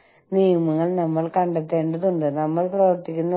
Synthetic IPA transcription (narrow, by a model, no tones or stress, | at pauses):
niːmɯŋɡɐɭnɐmːɐɭkɐɳɖɐt̪ːeːɳɖɯðuɳɖɯnɐmːɐɭpɾɐʋɐɾt̪ːɪkʲːɯnd̪ɐ